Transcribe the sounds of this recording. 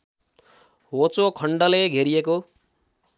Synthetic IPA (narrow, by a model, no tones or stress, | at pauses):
ɦot͡sokʰʌɳɖʌleɡʱeɾijeko